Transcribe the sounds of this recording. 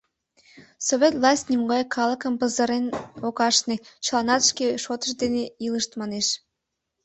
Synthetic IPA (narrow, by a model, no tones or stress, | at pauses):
soβʲet̪vlˠɑsʲt̪ʲnʲimɡɑjkʰɑlˠəkəmpəzəɾenokɑʃnet͡ɕlˠɑnɑt̪əʃkʲeʃot̪ə̥̆ʃd̪eneilˠəʃt̪mɑneʃ